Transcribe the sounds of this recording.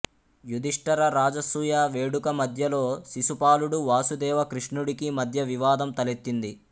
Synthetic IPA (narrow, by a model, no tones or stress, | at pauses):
jud̪iʂʈɐɾɐɾaːd͡ʒɐsuːjaːʋeːɽukɐmɐd̪ʱjɐlo̞ːsisupaːluɽuʋaːsud̪ɛːʋɐkɾiʂɳuɽikimɐd̪ʱjɐʋiʋaːd̪ɐmt̪ɐlet̪ːind̪i